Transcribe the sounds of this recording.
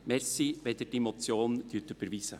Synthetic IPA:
mɛɾsiʋɛd̪ədɛmɔt͡sjoːnd̥yt̪əb̥əɾviːsə

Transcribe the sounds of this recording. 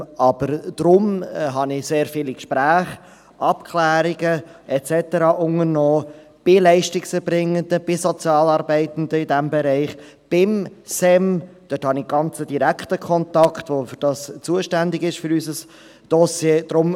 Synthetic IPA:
ɑb̥əɾd̪̥ɾʊmɦɑnɪseːɾfiːlikʃpɾæːχ | ʔɑpkʰlæːɾiɡəɛt͡sɛtəɾɑːʔʊŋəɾnɔː | b̥ɪlɛɪʃtɪksəbɾɪŋːəndəb̥ɪsɔt͡sjɑːlɑɾbɛɪt̪ən̩d̪əɪdɛmbɛɾɛɪχ | b̥ɪmsɛmd̥øthɑnɪɡ̥ɑnt͡səd̥iɾækχtəkʰɔntɑkχtʋofʏɾd̥ɑst͡suəʃtændɪɡɪʃfʏɾysəs | d̥ɔsjeːd̥ɾʊm

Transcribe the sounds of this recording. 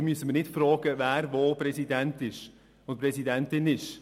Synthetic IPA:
myəsəmənɪtfrɔːɡ̥əvæːɾvopɾɛsidæntɪʃ | ʊntpɾɛsidɛntɪnɪʃ

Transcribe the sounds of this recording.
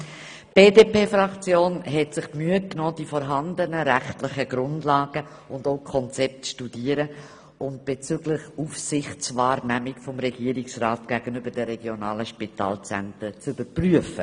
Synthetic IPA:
b̥eːdeːpeːfɾɑkt͡sjoːnɦɛtsɪχpmyət̚knɔːd̥ifɔɾɦɑndənəɾæχtlɪχəɡ̥ɾʊndlɑːɡ̥ə | ʊndoʊkʰɔnt͡sɛp̚tʃtud̥iəɾə | ʊnt̚b̥et͡syɡlɪχufsɪχtt͡svɑːɾnæmɪkfɔmɾɛɡ̥iːəɾɪksrɑːtɡ̥æɡ̥ənʏbəɾd̥ɛɾɛɡ̥jonɑːləʃpitɑ̰ːlt͡sɛ̰ntət͡sʊbəpryəfə

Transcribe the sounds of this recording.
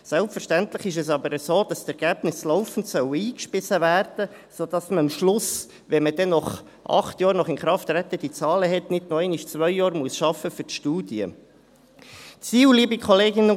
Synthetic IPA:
sɛlpfəɾʃtænt̪ləχɪʃ̬ɛs̬ɑbəɾəsoːd̥ɑstɛɾɡ̥æːb̥nɪslɔʊfən̩tsœwəiːkʃpɪsəvæːrd̥ə | sod̥ɑsməɑmʃlʊs | ʋɛməd̥ɛnɔχ | ʔɑ̰χt̪jɑːɾnɔχɪnχɾɑft̪ɾɛt̪ːəd̥it͡sɑːləɦɛt̪nɪdnoɛɪnɪʃt͡sʋœʏjɑːɾmuəsʃɑfəfʏɾtʃtuːdiə̰ | t͡siːwliəbikχɔleːɡɪnə

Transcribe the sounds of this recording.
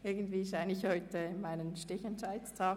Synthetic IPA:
ʔɪɐɡən̩tv̥iːʃaɪnɪçhɔʏtəmaɪnənʃtɪçɛnt͡ʃaɪstʰaː

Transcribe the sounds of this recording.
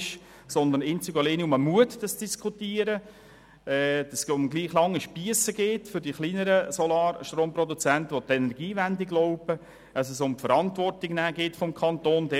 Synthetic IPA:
ʃ | sɔnd̪əɾnɪnt͡syɡəleniʊməmuətd̥ɑsd̥iskʰutiəɾə | ɛːd̥ɑsʊmɡliːχlɑŋːiʃpiəsəɡeːtfʏɾdiχliːnəɾəsɔlɑːɾʃtroːmprɔdut͡sæntəʋot̪ɛnɛɾɡiːvændɪɡloʊpə | əsəsʊmfəɾɑntvɔrtɪɡnæːɡɪːtfɔmkʰɑnt̪oːnd̥ɛ

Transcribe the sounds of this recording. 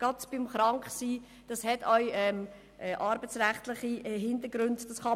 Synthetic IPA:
ɡ̥ɑtb̥ɪmχɾɑŋkχsiː | d̥ɑshɛtœʏɛm | ʔɛʔɑɾbət͡sræχtlɪχiɦɪndəɡɾʉndd̥ɑsχɑ

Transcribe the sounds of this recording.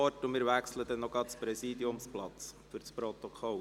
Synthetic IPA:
ɔtʊmɪːɾʋækslədɛnːɔɡɑtspɾɛsiːd̪iʊmsplɑt͡sfʏɾt͡spɾɔt̪ɔkʰɔl

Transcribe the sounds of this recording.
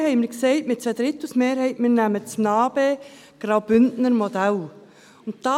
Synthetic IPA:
hɛɪmɪɾksɛɪtmɪt̚t͡sɛd̥̪ɾɪt̪ːusmeːɾhɛɪtmɪːɾnæmət͡smnɑːb̥e | ɡ̥ɾɑwb̥ʏndnəɾmɔd̪æl | ʊnt̚d̥ɑː

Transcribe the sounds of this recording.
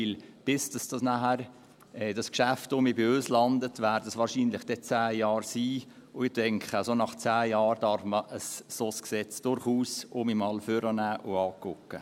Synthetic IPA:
ɪlb̥ɪsd̥ɑsd̥ɑsnæhæɾ | ɛd̥ɑskʃæftʊmibɪøːslɑndətʋæːɾdɑsʋɑːɾʃiːnlɪχd̥ɛt͡sæːjɑːɾsiː | ʊɪtɛŋkχəsonɑχt͡sæːjɑːɾd̥ɑɾfməʔəsːosksɛt͡sd̥ʊɾχuːsʊmimɑːlføɾənæːʔʊɑːkʊkːə

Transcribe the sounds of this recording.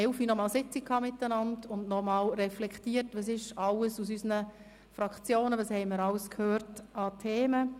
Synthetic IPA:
ɛwfinɔmɑːlsɪt͡sikʰhɑːmɪtːənɑndʊndnɔmɑːlrɛflɛktiːətʋɑs̬ɪʃɑləsus̬ysənə | fɾɑkt͡sjoːnəʋɑshɛɪməɾɑləskʰhøːɾtɑtʰeːmə

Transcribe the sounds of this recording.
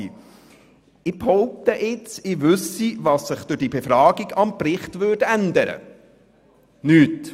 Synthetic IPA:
ɪphɔʊp̚t̪əʔɪt͡sɪʋʉsivɑsːɪχd̥̪ʉd̥ibefɾɑːɡiɡɑmprɪχtvʏdænd̪əɾə̰ | nyːt

